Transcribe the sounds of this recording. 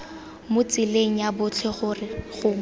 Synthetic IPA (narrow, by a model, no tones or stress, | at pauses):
mʊt͡sɪleŋ̩jabʊt͡ɬʰɛχʊrɪχʊ